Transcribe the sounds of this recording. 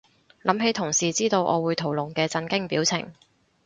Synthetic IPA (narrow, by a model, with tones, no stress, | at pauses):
lʔɐ˨˥mhe˨˥jt̪ʰʊ˨˩ŋsiː˨t͡siː˥t̪o˧wʔɔ̰ː˨˧wuː˨˧jt̪ʰo˨˩wlʊ˨˩ŋkɛː˧t͡sɐ˧nkɪ˥ŋpiː˨˥wt͡sʰɪ̰˨˩ŋ